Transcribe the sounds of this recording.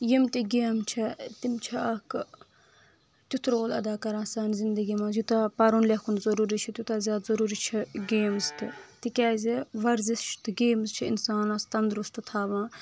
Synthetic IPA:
jimt̪iɡeːmt͡ʃʰit̪imt͡ʃʰiɐk | t̪ʲut̪ɾoːlɐ̰d̪aːkɐɾãːsaːnzind̪əɡimãːzut̪ɐpɐɾunlʲɐkʰunzɐɾuːɾit͡ʃʰit̪ʲut̪azʲaːd̪zɐɾuːɾit͡ʃʰiɡeːmzt̪it̪ikʲɛːziʋɐɾzist͡ʃʰt̪ɨɡeːmzt͡ʃʰiḭnsaːnɐst̪ɐnd̪ɾust̪ɨt̪ʰaːʋãː

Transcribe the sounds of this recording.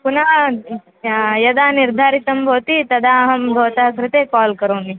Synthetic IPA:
puna | jɐd̪aːniɾd̪ʱaːɾit̪ɐmbʱɐwt̪it̪ɐd̪aɦɐmbʱɐwt̪aɦɐkɾɪt̪ekɔːlkɐɾoːni

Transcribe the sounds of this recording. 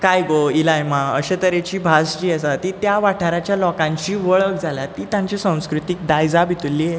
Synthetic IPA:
kajɡoilajmaəɕet̪əɾet͡ɕiːbʱasd͡ʑiːəsat̪it̪jaʋaʈʰaɾat͡ɕjalɔkãɲt͡ɕiːʋəɭək̚d͡zʱalat̪iːt̪jãɲt͡ɕisãw̃skɾut̪ik̚d̪ajd͡zabʱit̪ulːiːe

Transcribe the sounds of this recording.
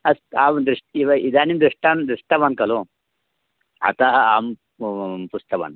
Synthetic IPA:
ɐsamd̪ɾiʂʈiʋid̪animd̪ɾiʂʈand̪ɾiʂʈ̪abankɐlo | a̰t̪aam | pust̪ɐba̰n

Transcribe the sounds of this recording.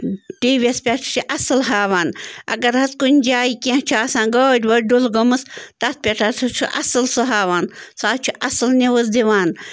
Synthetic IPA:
t̪iːʋʲespʲɐʈʰt͡ʃʰiʔɐsɨlɦaːʋaːnɐ̰ɡɐɾɦɐskunʲd͡ʒaːikʲeht͡ʃʰuaːsãːnɡoːdʲʋɐɾɖulɡɐmɨst̪ɐt̪̚pʲeʈʰat̪ʰut͡ʃʰuʔɐsɨlsɨɦaːʋaːnsaːt͡ʃʰuʔɐsɨlnʲeʋɐzd̪iʋaːn

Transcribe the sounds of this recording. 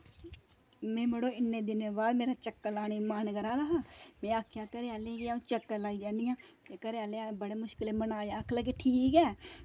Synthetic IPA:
mẽːməɽoɪnːed̪ɪnabaːd̪meːɾat͡ʃəkːəlaːnemaːnɡəɾaːlaɦamẽːakʰjakəɾeaːleɡeãːt͡ʃəkːəlaːid͡ʒaːnijãːekəɾealeãbəɽemʊʃkɪlẽmənaːjeɐkʰlak̬eʈʰiːkɛː

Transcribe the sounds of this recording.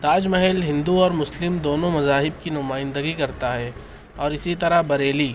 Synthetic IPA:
t̪aːd͡ʒmɛɦɛlɦɪ̃nd̪uɔːɾmʊslɪmd̪oːnõmɐzaːɦɪb̚kinʊmaːɪ̃nd̪əɡikɐɾt̪aɦɛː | ɔːɾɪsit̪ɐɾabɐɾeːliː

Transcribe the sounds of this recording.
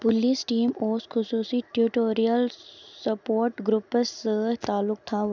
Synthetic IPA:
pʊliːsʈiːmoːsxʊsuːsiʈjuʈoːɾijəlsɐpoːɾʈɡɾʊpəst̪aːlːʊk̚t̪ʰa

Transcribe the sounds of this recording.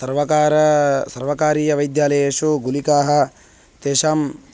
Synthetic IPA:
sɐɾʋɐkaːɾɐsɐɾʋɐkaːɾiːjɐʋɐjd̪jaːlɐjɐʂuɡulikaːɦɐ̆ | t̪eːʃɐm

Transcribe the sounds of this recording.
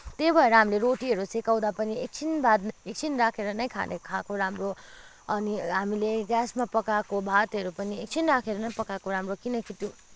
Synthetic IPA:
t̪ebʱʌeɾʌɦamileɾoʈiɦʌɾusekaw̃d̪apʌniek̚t͡sʰinbad̪ek̚t͡sʰinɾakʰeɾʌnʌjkʰa̰nekʰakoɾamro | ʌniɦamileɡjasmapʌkakobʱat̪ɦʌɾupʌniek̚t͡sʰinɾakʰeɾʌnʌjpʌkakoɾamrokinʌkʰiʈːju

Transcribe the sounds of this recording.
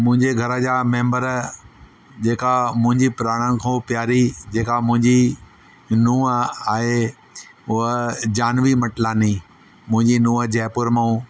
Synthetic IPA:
mʊ̃ɦɪ̃ɲd͡ʑeɡʱɐɾəd͡ʑaːmẽːmbəɾ | d͡ʑeːkamʊ̃ɦɪ̃ɲd͡ʑipɾaːɽ̃ə̃kʰõpjaːɾid͡ʑeːkamʊ̃ɦɪ̃ɲd͡ʑi | nuːəaːɦe | ʊɦəd͡ʑaːnʋimɐʈlaːni | mʊ̃ɦɪ̃ɲd͡ʑinũːəd͡ʑɛːpʊɾmaũː

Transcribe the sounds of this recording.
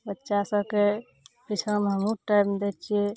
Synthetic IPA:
bətːʃasəbke | kit͡ʃʰəmɦəmuʈajmd̪et͡ʃʰije

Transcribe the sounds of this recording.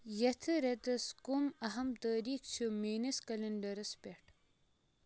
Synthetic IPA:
jɐt̪ʰɨɾet̪ɐskumɐɦɐmt̪ɐːɾiːkt͡ʃʰumiːniskɐlɐɳɖɐɾɐspeʈ

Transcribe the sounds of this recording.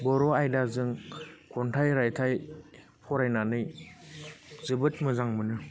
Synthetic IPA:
bɔɾɔajdazɯŋkʰɔntʰajɾajtʰaj | pʰɔɾajnanɯj | zɯbɯt̚mɯzaŋmɯnɯ

